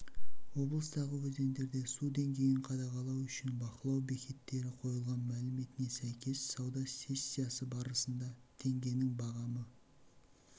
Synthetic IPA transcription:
wo̞blˠəst̪ɑʁəwɵze̞nd̪e̞ɾd̪e̞sud̪e̞ŋɡʲe̞jɪɴqʰɑd̪ɑʁɑlˠɑwʏʃɪnbɑqəlˠɑwbe̞kʲʰe̞t̪ːe̞ɾɪqʰo̞jəlˠʁɑnmælɪme̞t̪ɪne̞sæjkʲʰe̞ssɑwd̪ɑsʲe̞sʲːijasəbɑɾəsənd̪ɑt̪ʰe̞ŋɡʲe̞nɪŋbɑʁɑmə

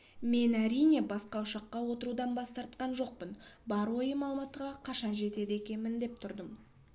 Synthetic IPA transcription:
me̞næɾijne̞bɑsqɑʊʃɑqːɑwo̞t̪əɾud̪ɑnbɑst̪ɑɾt̪̚qɑnʒo̞q̚pənbɑɾwo̞jəmɑlˠəmɑt̪əʁɑqʰɑʃɑnʒe̞t̪e̞d̪ɪe̞kʲe̞nmɪnd̪e̞p̚t̪ʰʊɾd̪əm

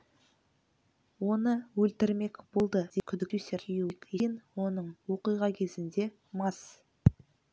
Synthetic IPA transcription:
wo̞nəwɵlt̪ɪɾme̞kbolˠd̪əd̪ekʲʰʏd̪ɪkeseɾjukenwo̞nəɴwo̞qijʁɑkʲʰe̞zɪnd̪e̞ | mɑs

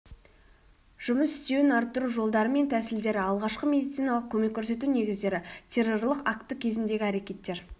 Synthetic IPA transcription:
ʒ̥ʊməsʏ̥st̪e̞wɪnɑɾt̪ːəɾuʒo̞lˠd̪ɑɾəme̞nt̪ʰæsɪld̪e̞ɾɪɑlˠʁɑʃqəme̞d̪ʲijt̪sijnɑlˠəq̚kʲʰɵme̞kʲʰːɵɾse̞t̪une̞ɡʲɪzd̪e̞ɾɪt̪ʲʰe̞ro̞ɾlˠəqakt̪ːəkʲʰe̞zɪnd̪e̞ɡʲɪæɾe̞kʲe̞t̪ːe̞ɾ

